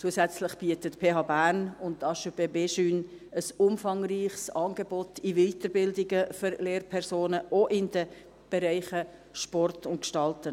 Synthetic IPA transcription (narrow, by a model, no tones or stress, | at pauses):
t͡suəsɛt͡slɪχb̥iətətpʰeːɦɑːbæːrnʊnttɑʃøbeːbeːʃyːn | əsʊmfɑŋriːχsɑːnɡ̥ebɔtʰɪviːtəɾbɪldɪɡəføɾleːrpʰɛɾsoːnəʔoʔɪnd̥ə | b̥ɛɾæɪχəʃpɔrtʰʊntkʃtɑltə